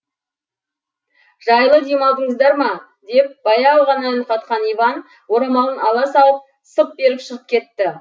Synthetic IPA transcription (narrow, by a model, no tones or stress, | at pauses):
ʒɑjlˠəd̪emɑlˠd̪əɴəzd̪ɑɾmɑ | d̪e̞p̚b̥ɑjɑːlˠʁɑnɑnqɑt̪qɑnijvɑn | wo̞ɾɑmɑw̪ˠənɑlˠɑsɑlˠəp̚ | səp̚be̞ɾɪpʃəʁəp̚kʲʰe̞t̪ːɪ